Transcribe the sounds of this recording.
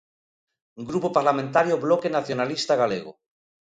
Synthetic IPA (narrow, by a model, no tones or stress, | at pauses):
ɡɾupopaɾlamẽnt̪aɾjoblokenaθjonalist̪aɣ̞aleɣ̞o̰